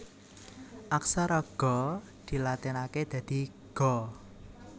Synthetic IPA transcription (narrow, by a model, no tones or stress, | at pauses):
ʔaksaɾɔɡ̥ɔ̤ | d̪̥i̤lat̪inaked̪̥ä̤d̪̥i̤ | ɡ̥ɔ